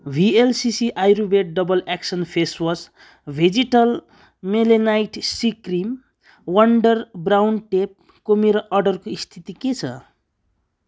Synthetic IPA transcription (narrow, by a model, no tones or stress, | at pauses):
bʱielsisiʔajɾubeʈ̚ɖʌbʌleksʌnpʰeswʌs | bʱed͡ziʈʌl | melenajʈsikrim | wʌɳɖʌrbrawnʈep̚ | komeɾoʔʌɖʌrkoist̪ʰit̪iket͡sʰʌ̰